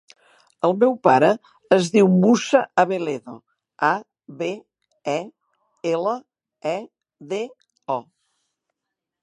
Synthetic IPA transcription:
əlˠmɛwpaɾəː | zðiwmusəːβeleðo̰ | a | βe | ɛ | elə | ɛ | ðe | ɔ

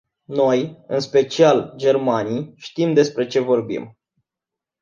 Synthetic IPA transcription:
no̞jɨnspe̞t͡ʃiald͡ʒe̞rmanijʃt̪imd̪e̞spɾe̞t͡ʃe̞vo̞rbḭm

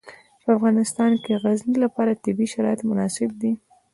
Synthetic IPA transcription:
pəafɣɑnɪst̪ɑnkeɣaznilapɑɾat̪ɪbiʃaɾɑjɪt̪mʊnɑsɪb̚d̪i

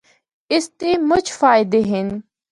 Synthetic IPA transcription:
ɪst̪iːmʊt͡ʃʰfaːɪd̪eːɦɪn

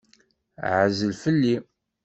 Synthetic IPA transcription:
ʕəzəlfəlːi

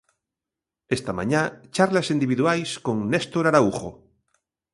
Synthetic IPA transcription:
est̪amã̰ɲat͡ʃaɾlasind̪iβiðuajskoŋnest̪oɾaɾauχo̰

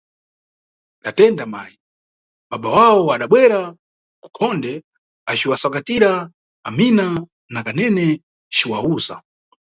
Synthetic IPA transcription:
ɗatɛndamaːji | ɓaɓawawɔaɗaɓwɛɾa | ku̥kʰɔndɛ | at͡ʃiwasakatiɾa | amina | nakanɛnɛ | t͡ʃiwauːza̰

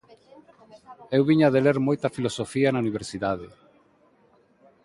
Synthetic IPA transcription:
ewβiɲaaðeleɾmojt̪ɐfilosofiɐnauniβ̞eɾsiðað̞e

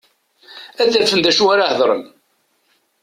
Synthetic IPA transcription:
æθæɾfənd̪æʃuaɾahðˤɾˤə̰n

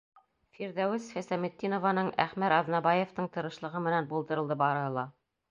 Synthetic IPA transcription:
fiɾðæwɘsfæsæmɘ̆t̪ːinovɑnɤɴæ̰χmæɾɑðnɑbɑjeft̪ɤɴt̪ɤ̆ɾɤ̆ʃlˠɤ̆ʁɤmɘ̆nænbulˠd̪ɤ̆ɾɤ̆lˠd̪ɤbɑɾɤ̆ɦɤlˠɑ

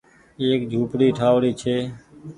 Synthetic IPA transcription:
eːkd͡ʒʱuːpɽiːʈʰaːʋɽiːt͡ʃʰeː

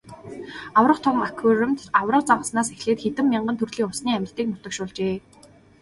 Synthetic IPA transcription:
awrə̆qt̪ʰʊwmakʰʊɾɘ̆mt̪awrə̆q̚t͡sawə̆snaːsexɮeːt̪xet̪ɘ̆mːiɴɢə̆nt̪ʰɵrɮiːŋʊsniːæmʲɪ̆ɬt̪iːk̚nʊt̪ə̆kʃʊːɮt͡ɕeː

